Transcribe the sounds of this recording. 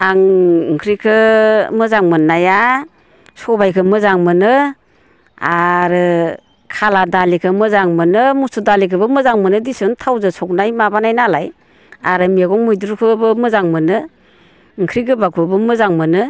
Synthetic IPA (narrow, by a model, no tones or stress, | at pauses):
aŋŋkʰɾikʰɯmɯzaŋmɯnːaja | sɔbajkʰɯmɯzaŋmɯnɯ | a̰ɾɯ | kʰaladalikʰɯmɯzaŋmɯnɯmusudalikʰɯbɯmɯzaŋmɯnɯdisɯntʰawzɯsɔk̚najmabanajnalaj | aɾɯmiaɡɔŋmujduɾkʰɯbɯmɯzaŋmɯnɯ | ŋkʰɾikʰɯbakʰubɯmɯzaŋmɯnɯ